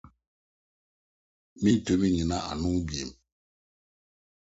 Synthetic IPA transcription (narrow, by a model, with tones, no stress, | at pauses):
mi˦to˦mi˦ɲi˨na˦a̰˨nu˦be˨m